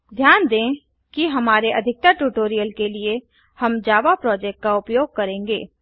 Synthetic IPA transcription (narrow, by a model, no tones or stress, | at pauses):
d̪ʱjaːnd̪ẽː | kiɦɐmaːɾeʔɐd̪ʱɪk̚t̪aʈuːʈoːɾijəlkelie | hɐmd͡ʒaːʋapɾɔːd͡ʒɛːk̚ʈ̚kaʊpjoːɡ̚kɐɾẽːŋɡeː